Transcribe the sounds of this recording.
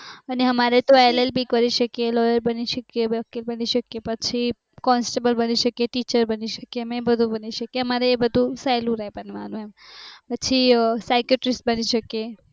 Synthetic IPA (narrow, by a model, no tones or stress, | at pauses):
əneɦəmaɾet̪oelelbʱikəɾiʃəkelɔjəɾbəniʃəkebəkːelbəniʃəkepət͡ʃʰi | kɔnsʈebəlbəniʃəkeʈit͡ʃəɾbəniʃə̥kemẽbəd̪ʱũbəniʃəkeɦəmaɾeːbəd̪ʱusajlũɾɦepənmalũɦẽmpət͡ʃʰisajkjoʈɾisʈbəniʃəke